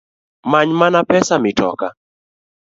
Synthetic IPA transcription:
maɲmanapɛsamɪtɔ̰ka

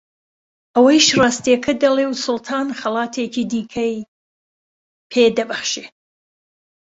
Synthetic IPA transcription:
ʔɐwɐjʃrɑːst̪iɛkʰɐd̪ɐlewsʊlˠt̪ʰɑːnxɐlɑːt̪ʰeːkʰid̪iːkʰɐj | pʰed̪ɐbɐxʃe

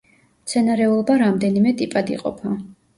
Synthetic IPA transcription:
mt̪sʰɛnaɾɛulˠɔbaɾamd̪ɛnimɛt̪ʼipʼad̪ḭqʼɔ̰pʰa

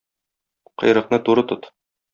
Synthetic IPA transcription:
qɤ̆jɾɤ̆qnɤt̪uɾɤt̪ot̪

